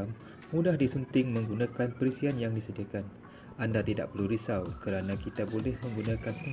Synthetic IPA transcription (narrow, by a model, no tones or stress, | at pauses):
m | mudahdisunt̪ɪŋmə̃ŋɡunãkanpəɾisianjaŋdisədiakan | andat̪ida̰ʔ̚pərluɾisawkəɾanãkit̪abolɛhmə̃ŋɡunãkanpə